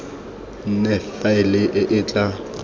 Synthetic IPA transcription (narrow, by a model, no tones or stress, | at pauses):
nɛfaɪlɪʔɪʔɪːt͡ɬʼa